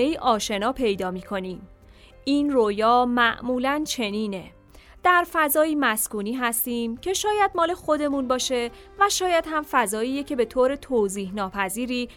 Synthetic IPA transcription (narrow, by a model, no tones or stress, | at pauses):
eiːʔɒːʃe̞nɒːpʰe̞jd̪ɒːmiːkʰo̞niːm | iːnroːjɒːmæʔmuːlænt͡ʃʰe̞niːne̞ | d̪̥æɾfæzɒːjiːmæskuːniːɦæst̪iːmcʰe̞ʃɒːjæd̪̚mɒːle̞xo̞d̪e̞munbɒːʃe̞ | væʃɒːjæd̪hæmfæzɒːiːjecʰe̞be̞t̪ʰoːɾe̞t̪ʰoːziːhnɒːpʰæziːɾiː